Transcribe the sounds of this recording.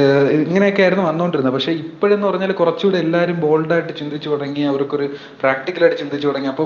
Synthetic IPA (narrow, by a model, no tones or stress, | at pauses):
iŋːɐne̞jokːeaːjɾunːɐʋɐnːoːɳɖiɾunːɐpɐkʂe̞ːipːoɻenːɨpɐrɐɲːaːlkurɐt͡ɕːuɽeelːaːɾumbo̞ːlɖaːjiʈːɨt͡ɕind̪ʱit͡ɕːukɐɽɐŋːiɐʋɐɾokːo̞ɾu | praːk̚ʈikːɐlaːjʈːɨt͡ɕind̪ʱit͡ɕːukɐɽɐŋːiɐpːoː